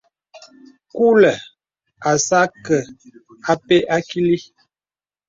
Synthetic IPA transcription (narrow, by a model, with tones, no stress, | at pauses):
ku˦lə˨ | a˨sa˦kə˨ | a˨pe˦ʔa˦ki˦li˦